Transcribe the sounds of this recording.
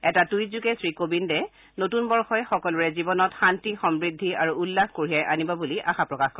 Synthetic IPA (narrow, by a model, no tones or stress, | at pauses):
ɛtatujzukɛsɹikobindɛ | notunbɔɹxɔjxɔkɔlɔɹɛzibɔnɔtxantixɔmbɹidʱːiaɹuːlːaxkoɹijajʔanibɔbuliʔaxapɹɔkaxkɔ